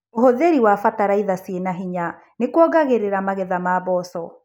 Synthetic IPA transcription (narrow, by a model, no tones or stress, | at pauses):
oɦoðeɾiwafataɾaiðasienaɦiɲa | nekwɔɣaɣeɾeɾamaɣɛðamaːβɔsɔ